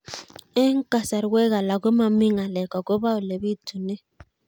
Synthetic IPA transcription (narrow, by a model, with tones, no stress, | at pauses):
e˦ŋ˦ka˨sa˨ɾwɛ˦ɣa˨la˨ɡo˦ma˨mi˦ŋa˨lɛ˨kɔ˨ɡo˦βa˦o˨le˨βi˦tu˨ne˦